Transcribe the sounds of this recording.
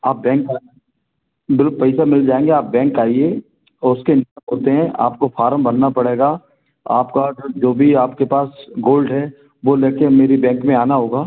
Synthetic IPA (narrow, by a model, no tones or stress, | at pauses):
aːp̚bɛ̃ːŋka | bɪlpɛɪsamɪld͡ʒaːẽːŋɡeaːp̚bɛ̃ːŋkaːie | ʊskenɪəmɦoːt̪eɦɛ̃ʔa̰ːp̚kofʰaːɾəmbɐnːapɐɽeːɡaː | aːpkad͡ʒoːbʱiaːpkepaːsɡoːlɖɦɛ | ʋoleːkemeːɾibɛ̃ːŋkmẽaːnaɦoːɡaː